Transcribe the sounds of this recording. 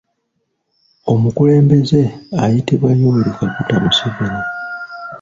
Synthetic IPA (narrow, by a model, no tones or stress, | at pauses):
o̞mukule̞ːmbe̞ze̞ajitiβwanoβeɾikaputamusiβena